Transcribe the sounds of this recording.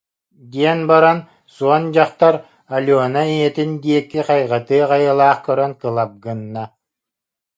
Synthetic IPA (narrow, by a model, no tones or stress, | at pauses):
d̪iɛnbaɾan | suɔnd͡ʑaqt̪aɾ | alʲɔːnaiɛt̪ind̪iɛkːiqɑjʁɑt̪ɯːʁɑjɯlˠaːχkœɾœnkɯlˠap̚ɡɯnːa